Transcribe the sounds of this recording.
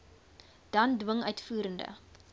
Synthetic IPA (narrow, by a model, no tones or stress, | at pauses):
d̥ɐndwəŋœɥtfuːɾəndə̰